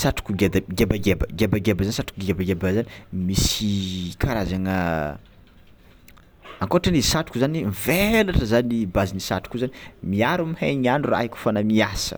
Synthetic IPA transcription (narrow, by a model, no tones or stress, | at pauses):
saʈ͡ʂu̥kuɡed̪aɡebaɡebəɡebaɡebəzanisaʈ͡ʂu̥kuɡɡebaɡebazanimisikʰaɾazaŋə | aŋkoʈ͡ʂənizisaʈ͡ʂu̥kuzaniɱvelaʈ͡ʂəzanibazinisa̰ʈ͡ʂu̥kuzanimiaɾumiheɲanura̰ɦikʲu̥fanamiasə̰